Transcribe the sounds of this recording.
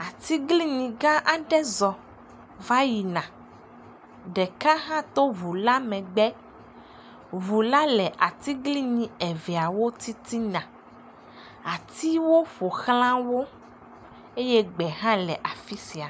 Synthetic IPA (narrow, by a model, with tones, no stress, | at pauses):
a˨t̪i˦ɡli˦ɲĩ˨ɡã˦ʔa˨ɖɛ˦zɔ˨ | va˦ji˨nã˨ | ɖɛ˨ka˦ɦã˦t̪o˦vu˨la˦mɛ̃˨ɡ͡bɛ˦ | vu˨la˦lɛ˨ʔa˨t̪i˦ɡli˦ɲĩ˨ɛ˨vɛ˨a˨wo˦t̪i˦t̪i˦nã˨ | a˨t̪i˦wo˦ɸo˨xlã˦wo˦ | e˦jɛ˦ɡ͡bɛ˨ɦã˦lɛ˨ʔa˨fi˦si˨a˨